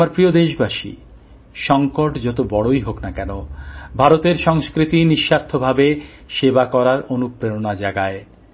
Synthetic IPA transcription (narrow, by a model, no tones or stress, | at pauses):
aɾpɾiod̪eʃbaʃḭ | ʃɔŋkoʈd͡ʑɔt̪obɔɽoiɦoknakɛnobʱaɾot̪eɾʃɔŋskɾit̪iniʃːaɾt̪ʰobʱabe | ʃebakɔɾaɾonupɾeɾonad͡ʑaɡae